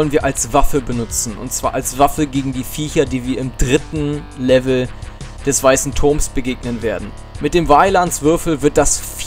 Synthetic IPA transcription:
lənviːɐʔalsv̥afəbənʊt͡sn̩ʊ̰ntt͡sv̥aːɐʔalsv̥afəɡeːɡŋ̩diːfiːçɐdiːviːɐɪmdʁɪtn̩ | lɛvl̩d̥ɛsv̥aɪsn̩tʰʊɐmsb̥əɡeːɡnənveːɐdn̩ | mɪt̚d̥eːmvaɪlansv̥ɪɐfl̩vɪɐt̚d̥asf

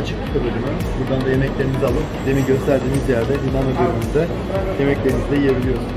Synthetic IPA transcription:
at͡ʃʰɯkʰi̥t̪ʰabøɾimy | buɾd̪and̪aje̞mɛclʲeinizalˠɯpd̪emiɟø̞st̪ʰæɾd̪iːnizjæɾd̪ɛd̪inamad̪øɾymynd̪ɛ | je̞mɛclʲe̞ɾinizd̪ʲɛje̞bilʲijo̞ɾun

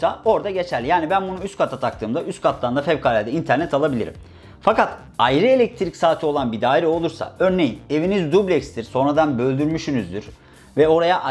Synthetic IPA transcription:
ao̞ɾd̪aɟe̞t͡ʃʰælʲːijaːnibænbunuyst̪kʰat̪ʰat̪ʰakt̪ʰɯːmd̪aʔyst̪kʰat̪ʰlˠand̪afɛvkʰaːlʲɛd̪ɛint̪ʰæɾnɛt̪ʰalˠabilʲḭɾḭm | fakat̪ | ajɾɯe̞lʲɛc̚t̪ʰɾicsaːt̪ʰio̞lˠanbid̪aːiɾɛo̞lˠuɾsa̰ø̞ɾne̞jine̞vinizd̪ublʲɛcsd̪iɾso̞nɾad̪anbø̞lʲd̪yɾmyʃynyzd̪yɾ | vɛo̞ɾajaʔ

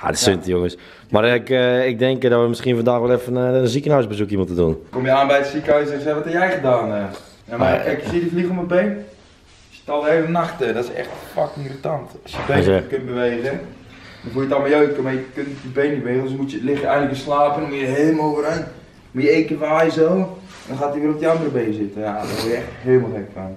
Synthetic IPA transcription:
ja̰dəsɪntəjoŋəs | markɪk̚dɛŋkdɔtʋəmɪskiənfandaːxʋɛlˠɛfənənzikənœɥsbəzukimutədunkomjəaːnbɛjətsikəœɥsɛsaʋɔthɛpjɛjxədaːnɛ | jamakɛkjəsitjəfliɣəoməbeːn | sjə̥talˠeːvənaxtədɔtɪsɛ̰xtfakmiritantɔsjəbɛkɪnbəʋeːzədɔnfuəjətaməjoːt̚komajəkønjəbeːniʋeːzsomutjəlɪxjəɛjɣŋnləkjəslaːpəndɔnmujəɦeːmowvəɾɛn | mujəekəfajzo | dɔnxaːtjəʋiəlop̚dəɑndərəbeːnzɪtəjadɔtʋojəɛxtheːlˠməlˠxɛkfan

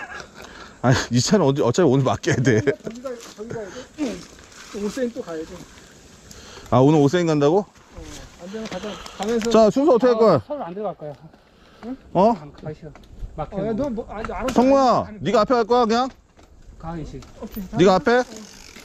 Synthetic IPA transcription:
aɲiit͡ɕʰaɾɯʌdiʌt͡ɕʰaionɯma̰k͈ejade | os͈eint̪͈ojao | aonɯɾos̬͈ʰeinɡandaɡo | t͡ɕasʰuŋsʰoʌtʰɯkʰekʌak͈ | ʌ | sʰʌŋmujaniɡaapʰeɡaɭk͈ʌjakɯɲaŋ | niɡaapʰe

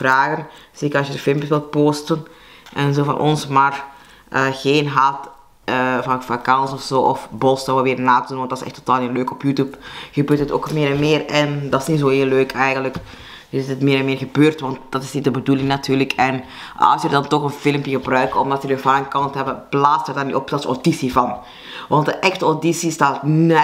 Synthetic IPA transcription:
raːɣən | z̥eːkərɑsjədəfɪlˠmpjəsʋɪlˠt̚poːstən | ʔɛnzoːvɑ̰nʔɔ̰nsmaːr | ʔəːɣeːnɦaːt | əvɑfakɑnsɔfsoːʔɔfbɔsdaʋəʋɪːrnaːtədunʋɑntdɑsɛ̰xtʰːo̥taːlˠinløːkɔpjuːtjupɣəbøːrtɦəto̰ːkmɪːɾɛnmɪːrɛndɑsnizoːɦeːlløːkʰɛjɣənlək | dɪstətmɪːɾɛnmɪːrɣəbøːrtʋɑnt̚d̥ɑtɪsnitdəbədulɪŋnatyːrləkʰɛn | ɑ̰sjədɑntɔxənfɪlmpjəɣəbrœɥkɔmdɑtjədəvɑnənkɑntɦɛbəb̥laːstərdɑrniʔɔpdɑso̰disivɑn | ʋɑnt̚dəʔɛxtəodisistaːtn

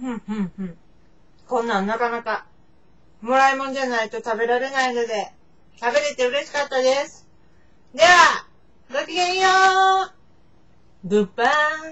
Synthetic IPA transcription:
hɯ̟̃ɴhɯ̟̃ɴhɯ̟̃ɴ | kõ̞nːãnːakanaka | mo̞ɾaimo̞nd͡ʑanait̪o̞t̪abe̞ɾaɾe̞naino̞d̪e̞ | t̪abe̞ɾe̞t̪e̞ɯ̟ɾe̞ɕi̥kat̪ːad̪e̞sɨ̥ | d̪eβa | ɡokʲiɡẽɰ̃joː | bɯ̟pːa

